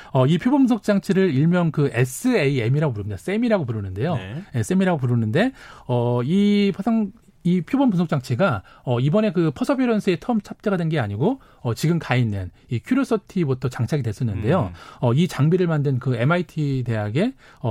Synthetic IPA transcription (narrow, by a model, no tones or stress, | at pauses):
ʌipʰjobʌmpunsʰok̚t͡ɕ͈aŋt͡ɕʰiɾɯɾiɭmjʌŋkɯes͈ʰɯeie̞miɾaɡopuɾɯmɲid̥as͈e̞miɾaɡopuɾunɯnde̞jojes͈e̞miɾaɡop̬uɾɯnɯnde̞ʌipʰasʰaŋ | ipʰjobʌnpusʰok̚t͡ɕ͈aŋt͡ɕʰiɡaʌibʌne̞kɯpʰʌsʰʌpʰjoɾʌnsʰɯe̞tʰʌɯmt͡ɕʰap̚t͡ɕ͈eɡadwe̞nɡeaɲiɡo | ʌt͡ɕiɡɯmkainːɯn | ikʰjuɾos͈ʰʌtʰibutʰʌt͡ɕaŋt͡ɕʰaɡidwe̞s͈ʌnːɯnde̞joʌit͡ɕaŋbiɾɯɭmandɯnkɯe̞maitʰide̞ɦaɡe̞ | ʌ